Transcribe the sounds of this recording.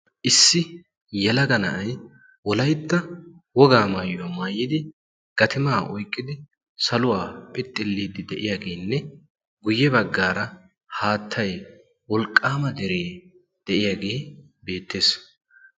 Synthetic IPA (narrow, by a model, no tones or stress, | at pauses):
ʔɪsːɪ | jɛlɐɡɐnɐʔɐj | wɔlɐjt̪ːɐwɔɡaːmaːjʊwɐmaːjːɪd̪ɪ | ɡ̥ɐt̪ʰɪmaːʔɔjkʼːɪd̪ɪ | sɐlʊwaːpʼɪt̪ʼːɪlːiːd̪ɪd̪ɛʔɪjaɡeːnːɛ | ɡʊjːɛbɐɡːaːɾɐ | haːt̪ʰːɐj | wɔlkʼːaːmɐd̪ɛɾeː | d̪̥ɛʔɪjaɡe̞ː | be̞ːt̪ːe̞ːs